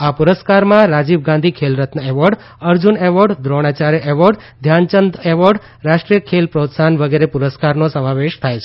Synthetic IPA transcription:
apuɾəskaɾmãɾad͡ʒibɡãnd̪ʱikʰelɾət̪nəeʋəɾɖ | əɾd͡ʒuneʋəɖd̪ɾoɽ̃at͡ʃaɾʔeʋəɖ | d̪ʱjant͡ʃənd̪eʋəɖ | ɾaʃʈɾijəkʰelpɾot̪sanʋəɡeɾepuɾəskaɾnosəmãʋeʃt̪ʰajt͡ʃʰe

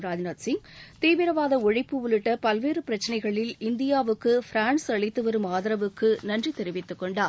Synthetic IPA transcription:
ɾaːd͡ʒnɐt̪sɪŋ | t̪iːʋɪɾɐʋaːðɐɔɻɪpːɯʋʊlɪʈːɐpɐlʋeːɾɯpɪɾɐt͡ʃːɐnɐɪɣɐɭɪlɪnd̪ɪjaːʋɯkːɯfɪɾaːnsɐɭɪt̪ːɯʋɐɾɯmaːðɐɾɐʋɯkːɯnɐndrit̪ɛɾɪʋɪt̪ːɯkːɔɳɖaː

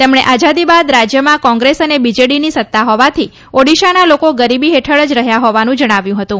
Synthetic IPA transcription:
t̪emɳ̃eʔad͡ʒad̪ibad̪ɾad͡ʒjəmãkɔ̃ŋɡɾesənebid͡ʒeɽinisət̪ːaɦɔʋat̪ʰi | oɽiʃanalokoɡəɾibiɦeʈʰəɭəd͡ʒɾəɦjaɦɔʋanũd͡ʒəɽ̃aʋjũɦət̪ũ

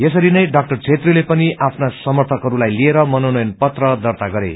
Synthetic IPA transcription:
jesʌɾinʌjɖak̚ʈʌrt͡sʰet̪rilepʌniʔapʰnasʌmʌrt̪ʰʌkɦʌɾulajlieɾʌmʌnonʌjʌnpʌt̪rʌd̪ʌrt̪aɡʌɾḛ

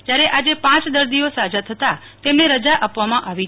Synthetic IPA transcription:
d͡ʒjaɾeʔad͡ʒepãt͡ʃd̪əɾd̪iosad͡ʒat̪ʰət̪a | t̪emneɾəd͡ʒaʔapʋamãʔaʋi

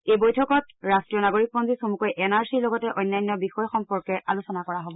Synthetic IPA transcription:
ejbojtʰɔkɔtɹastɹijɔnaɡoɹik̚bɔnzisomukɔjʔɛnaɹsiɹlɔɡɔtɛʔɔjnːajnːɔbixɔjxɔmpɔɹkɛɹʔalusɔnakɔɹaɦobɔ

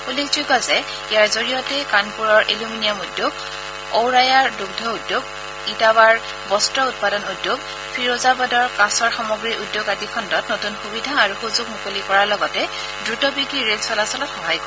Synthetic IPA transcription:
ulikzuɡazɛ | ijaɹzoɹijɔtɛkanpuɹɔɹʔeluminijamudjoɡ | owɹajaɹduɡ̚dʱɔudjoɡ̚ | itaβaɹ | bɔstɹɔut̚padɔnudjoɡ | pʰiɹozabadɔɹkãsɔɹxamɔɡɹiʔudjoɡatikʰɔndɔtnotunxubidʱaːɹuxuzʊɡ̚mukolikɔɹalɔɡɔtɛ | dɹutɔbiɡɹiɹelsɔlasɔlɔtxɔɦajkɔ

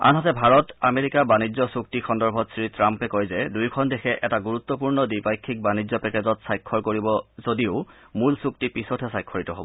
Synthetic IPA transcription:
a̰nɦɔtɛbʱaɹɔtameɹikabanizɔsuk̚tixʰɔndɔɹbʱɔtsɹitɹampɛkojzɛdujkʰɔndexʰɛʔɛtaɡuɹut̪ːɔp̬uɹnɔdipajkʰːik̚banizɔpɛkɛzɔtsajkʰːɔɹkoɹibɔzodiʊ | mulsuk̚tipisɔtʰɛsajkʰːɔɹitɔɦobɔ

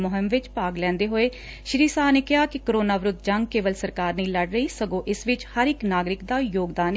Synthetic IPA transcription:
moːɦəmʋɪt͡ʃpaːɡlɛ̃ːnd̪eːɦoːeː | ʃɾiːsaːneːkɪɦaːkɪkəɾoːnaːʋɾʊd̪d͡ʒəŋɡkeːʋəlsəɾkaːɾnĩːləɽɾəiːsəɡõːʔɪsʋɪt͡ʃhəɾɪknaːɡɾɪkd̪aːjoːɡd̪aːn

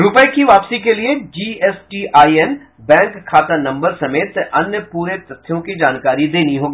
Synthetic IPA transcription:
ɾʊpəkiʋaːpsikelied͡ʒiːɛːsʈiʔaːiɛn | bɛ̃ːŋkʰːaːt̪anɐ̃mbəɾsɐmeːt̪ɐnjəpuːɾet̪ɐt̪ʰːjõkid͡ʒaːnkaːɾid̪eːniɦoːɡiː

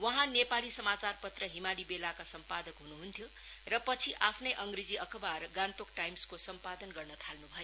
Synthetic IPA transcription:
wʌɦãnepalisʌmat͡sarpʌt̪rʌɦimalibelakasʌmpad̪ʌkɦunuɦunt̪ʰjo | rʌpʌt͡sʰiʔapʰnʌjʔʌŋɡrid͡ziʔʌkʰʌbarɡant̪ok̚ʈajmskosʌmpad̪ʌnɡʌrnʌt̪ʰalnubʱʌjo

